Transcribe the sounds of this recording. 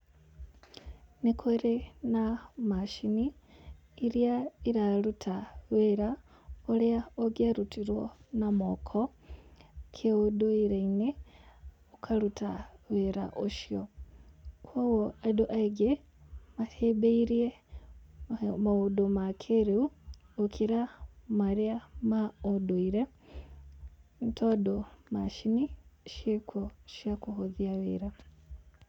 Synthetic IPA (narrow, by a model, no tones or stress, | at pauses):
nekʰoɾenamaʃiniː | ɾjaiɾalutʰaweɾa | oleaoɡjaɾutiɾwonamokʰo | kʰeudoiɾeine | okʰalutaweɾa̰ʔoʃijo | kʰwowɔadoʔaiɡe | matebeiɾiɛ | maodomakʰeɾeu | okʰiɾamaɾiamaodoiɾɛ | n̩tʰɔdomaʃiniʃekʰoʃiakoɦoðiaweɾa